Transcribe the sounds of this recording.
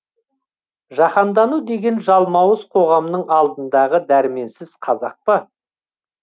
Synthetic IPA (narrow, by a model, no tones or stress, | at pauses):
ʒɑqɑnd̪ɑnud̪e̞ɡʲe̞nʒɑlˠmɑwəzqʰo̞ʁɑmnəɴɑlˠd̪ənd̪ɑʁəd̪æɾɪme̞nsɪz̥qʰɑzɑ̰q̚pə